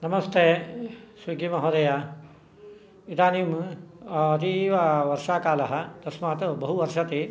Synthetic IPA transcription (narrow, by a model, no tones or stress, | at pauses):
nɐmɐst̪ʰeːsʋiɡimɐɦoːd̪ɐja | it̪aːnim | ɐt̪iʋaʋɐɾʂaːkaːlɐɦɐ̆t̪ɐsmaːt̪bɐɦuʋɐɾʂɐt̪e